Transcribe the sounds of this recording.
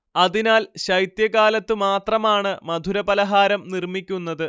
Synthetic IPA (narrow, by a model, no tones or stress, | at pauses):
ɐðinaːlɕɐjt̪jɐɣaːlɐt̪ːɨmaːt̪rɐmaːɳɨmɐd̪ʱuɾɐbɐlɐɦaːɾɐmnirmikʲːunːɐðɨ